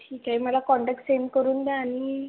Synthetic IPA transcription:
ʈʰiːkaiməlakɔɳʈak̚ʈsenkəɾuːnd̪eani

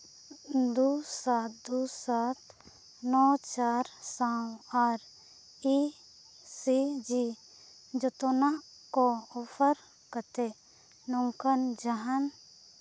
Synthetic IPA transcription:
d̪usat̪̚d̪usat̪ʰ | nɔt͡ʃaːɾsawaɾ | i | sid͡ʒi | d͡ʒɔt̪onakoɔpʰəɾ | kət̪e | nɔŋkənd͡ʒəɦən

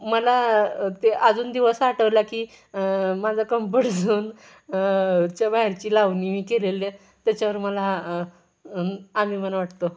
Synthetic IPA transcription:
məlat̪eʔad͡zuːnd̪iʋəsaʈəʋlakiː | mad͡zʱakəmpəʈd͡zʱuːn | t͡ɕabaiɾt͡ɕiːlaʋnimikelele | t̪jat͡ɕjaʋəɾməla | amiːməlaʋaʈt̪o

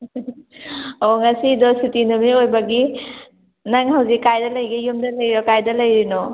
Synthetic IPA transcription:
oŋɐsidositinumiojbɐɡi | naŋhawzikːajdɐlɐjɡijumdɐlɐjɾɔkajdɐlɐjɾinɔ

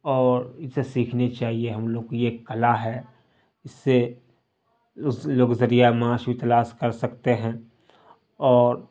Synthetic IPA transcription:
ɔːɾɪsesiːkʰnet͡ʃaːɦieɦɐmloːɡjeːkːɐlaɦɛː | ɪsːe | loːɡzɐɾijaemaːʃbʱit̪ɐlaːʃkɐɾsɐkt̪eɦɛ̃ː | ɔːɾ

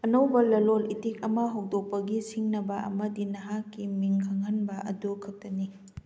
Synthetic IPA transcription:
ɐnɐwbɐlɐlolitik̚ɐmɐɦawdok̚pɐɡisiŋnɐbɐʔɐ̰mɐdinɐɦakːimiŋkʰɐŋɦɐnbɐʔɐdukʰɐk̚tɐni

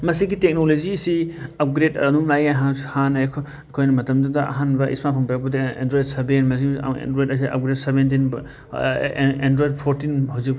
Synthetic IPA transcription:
mɐsiɡitek̚nolozisiɐp̚ɡɾetɐ̰numlajɐɦahanɐkʰ | kʰojnɐmɐtɐmdɐdɐʔɐ̰ɦanbɐʔḭsmapʰɐŋpajakbɐdɐḛndɾojdsebenmɐsḭḛndɾojdɐs̬iɐ̰p̚ɡɾet̚sebent̬inb | endɾojd̚pʰoɾtinhawzik̚

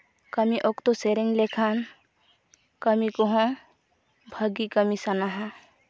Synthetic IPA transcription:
kɐmiʔokt̪oseɾeŋlekʰan | kəmikoɦõ | bʱɐɡikəmisɐnaɦã

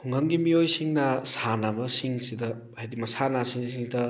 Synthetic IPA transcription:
hʰuŋhɐŋɡimiojsiŋnɐsanabɐsiŋsidɐ | hajdimɐsanasiŋsiŋdɐ

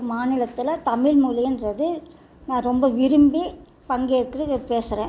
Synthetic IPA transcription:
maːnɪlɐt̪ːɪlɐt̪ɐmɪlmuːlɐjnrɐðɯ | nãːɾɔmbɐʋɪɾɯmbi | pɐŋɡeɪɾɯkːɪɾɯpeːsɪɾẽː

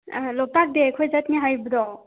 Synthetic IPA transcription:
lɔp̚tak̚dekʰɔjzat̚ŋiɦajbɯdɔ

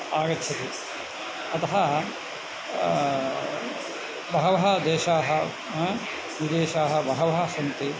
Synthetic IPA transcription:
aːɡɐt̪ʰːjɐt̪e | ɐt̪ɐɦɐ | bʱɐɦɐʋɐɦɐd̪eːʃaːɦɐ | ɦ | ʋid̪eːʃaːɦɐbʱɐɦɐʋɐɦɐsɐnt̪e

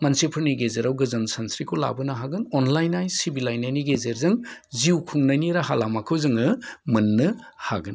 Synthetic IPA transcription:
mansepʰɯɾniɡezeɾawɡɯzɐnsansɾikʰola̰bɯnaɦaɡɯnɔnlajnajsibilajnajniɡezeɾzɯŋziwkʰuŋnajniɾaɦalamakʰɯwzɯŋɯmɯnːɯha̰ɡɯn

